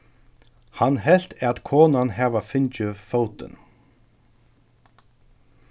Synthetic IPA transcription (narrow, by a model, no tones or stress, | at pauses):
hanɦɛl̥t̪ɛat̪kʰoːnanɦɛʋafɪɲt͡ɕɪfowt̪ɪ̰n